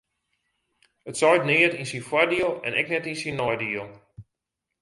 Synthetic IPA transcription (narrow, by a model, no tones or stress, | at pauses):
ətsɔjtnɪːətinsinfwadiəlˠɛ̰nɛ̰knɛtinsinːɔjdiəlˠ